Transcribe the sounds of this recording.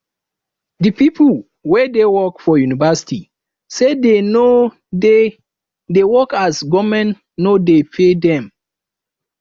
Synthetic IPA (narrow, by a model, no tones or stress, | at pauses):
dɨpipʰl | wɛdewɔkfɔjunivasi̥ti | sedeno | e | dewɔkasɡɔmɛ̃nː | odepʰedɛ̃m